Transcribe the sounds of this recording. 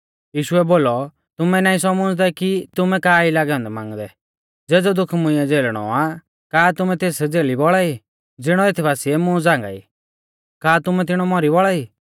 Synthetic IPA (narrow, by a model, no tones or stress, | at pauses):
jiːʃʊɛboːlɔ | t̪ʊmɛnaːĩsɔmɔd͡zd̪ɛkit̪ʊmɛkaːilaːɡɛɔ̃nd̪ɛmã̰ːŋɡd̪ɛ | d͡zeːd͡zɔd̪ʊkʰmʊ̃ɪ̃ɛd͡zeːlɽ̃ɔ̰a | kaːt̪ʊmɛ̃t̪eːsd͡zeːlibɔɭai | d͡zɪɽ̃ɔeːt̪ʰibaːsiɛmʊ̃d͡zãːŋɡa̰ːḭː | kaːt̪ʊmɛt̪̬ɪɽ̃ɔmɔɾibɔɭaiː